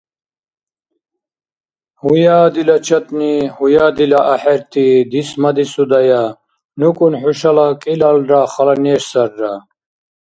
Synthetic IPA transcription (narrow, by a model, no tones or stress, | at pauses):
hujaːd̪ilɐt͡ɕʰɐt̪nihujad̪ilaʔɐħeɾt̪id̪ismɐd̪isud̪ɐja | nukunħuɕɐlakʼilalɾaχɐlɐneːʂsɐɾːa